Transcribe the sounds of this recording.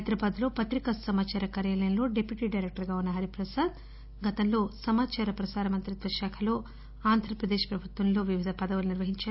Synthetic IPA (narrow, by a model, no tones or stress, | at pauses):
ɐjd̪ɾɐbaːd̪lo̞ːpɐt̪ɾikɐsɐmaːt͡ʃaːɾɐkaːɾjaːlɐjɐnlo̞ːɖepjuʈiːɖɐjɾek̚ʈɐɾɡaːunːɐɦɐɾipɾɐsaːd̪ | ɡɐt̪ɐnlo̞ːsɐmaːt͡ʃaːɾɐpɾɐsaːɾɐmɐnt̪ɾit̪ʋɐʃaːkʰɐlo̞ː | aːnd̪ʱɾɐpɾɐd̪eːʃpɾɐbʱut̪ʋɐnlo̞ːʋiʋid̪ʱɐpɐd̪ɐʋuluniɾʋɐɦiɲt͡ʃaː